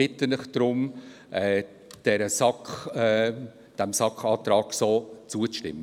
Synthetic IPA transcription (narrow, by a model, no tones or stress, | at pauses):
ɪt̪ənlɪχd̥ɾʊm | ʔɛː | d̥ɛɾəsɑkχɛ | d̥ɛmsɑkχɑːt̪ɾɑːksoːt͡suət͡sʃtɪ̰mːə